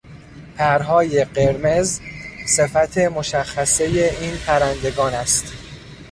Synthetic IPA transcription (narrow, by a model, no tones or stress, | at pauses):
p̪ʰæɾɦɒːje̞ɢe̞ɾme̞zse̞fæt̪ʰe̞mo̞ʃæxːæse̞je̞iːnpʰæɾænd̪e̞ɡɒːnæst̪